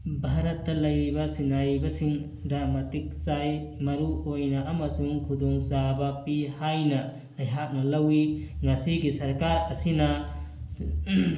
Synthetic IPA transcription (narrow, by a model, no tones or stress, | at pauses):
bʱaɾɐtːɐlɐjɾibɐsinajbɐsiŋ | dɐmɐtik̚sajmɐɾuojnɐʔɐmɐsuŋkʰudoŋzabɐpihajnɐ | ɐjɦak̚nɐlɐwiŋɐsiɡisɐɾkaɾɐsinɐ